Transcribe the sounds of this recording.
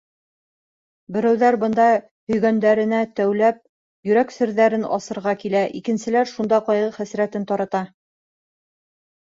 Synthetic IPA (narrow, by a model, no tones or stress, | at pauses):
bɘ̆ɾæwðæɾbɤ̆nd̪ɑ | hɵ̆jɡænd̪æɾɘ̆næt̪æwlæp̚ | jɵ̆ɾæksɘ̆ɾðæɾɘnɒ̰sɤ̆ɾʁɑkilæʔikɘ̆nsɘ̆læɾʃund̪ɑqɑjʁɤχæsɾæt̪ɘnt̪ɑɾɑt̪ɑ